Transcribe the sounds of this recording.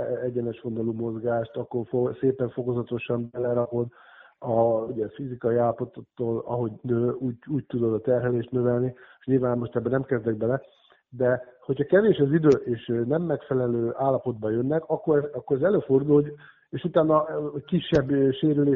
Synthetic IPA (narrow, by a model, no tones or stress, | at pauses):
ɛɟɛnɛʃho̞nd̪olumo̞zɡaːʃt̪ɒkːo̞rfoseːpɛɱfo̞ko̞zɒt̪o̞ʃɒmbɛlɛɾɒpo̞d̪ɒuɟɛfizikɒiaːlːɒpo̞t̪ot̪ːoːlɒ̰ɦo̞ɟnøuːuːc̚t̪ud̪o̞d̪ɒt̪ɛrɦɛleːʃt̪nøvɛlni | ɲilvaːnmoʃt̪ɛbːɛnɛmkɛzd̪ɛɡ̚bɛlɛ | d̪ɛho̞chɒkɛveːʃɒzid̪øːʔeːʃnɛmːɛkfɛlɛløːʔaːlːɒpo̞d̪̚bɒjønːɛkɒkːo̞ɾɒkːoɾɛzɛløːfo̞rd̪ul | eːʃut̪aːnːɒkiʃːɛbːʃeːɾyleː